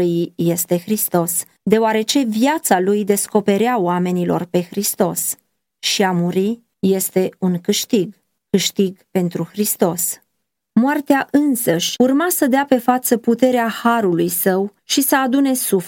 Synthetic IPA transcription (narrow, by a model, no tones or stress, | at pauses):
jije̞st̪e̞xɾist̪o̞s | d̪e̞oaɾe̞t͡ʃe̞vijat̪salujd̪e̞sko̞pe̞ɾeaoame̞nilo̞̰rpe̞xɾist̪o̞s | ʃiamuɾi | je̞st̪e̞uŋkɨʃt̪iɡ | kɨʃt̪iɡpe̞nt̪ɾuxɾist̪o̞s | moart̪eaʔɨnsəʃʲurmasəd̪eape̞fat̪səput̪e̞ɾeahaɾulujsəwʃisəad̪une̞suf